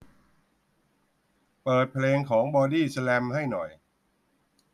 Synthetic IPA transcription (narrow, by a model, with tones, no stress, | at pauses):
pɤː˨˩t̪̚pʰleː˧ŋkʰɔː˩˦ŋbɔː˧diː˥˩sa˧lɛ˧mha˥˩jnɔ˨˩j